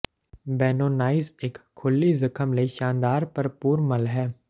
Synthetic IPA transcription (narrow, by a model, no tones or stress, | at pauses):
bɛːnoːnaːɪzeːkʰːʊlːizɐkʰəmleʃãːnd̪aːɾpɐɾpuːɾmɐlɦɛː